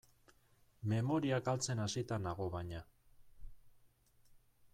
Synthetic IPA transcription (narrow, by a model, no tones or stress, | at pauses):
me̞mo̞ɾiakalt͡se̞nasit̪anaɣo̞βaɲa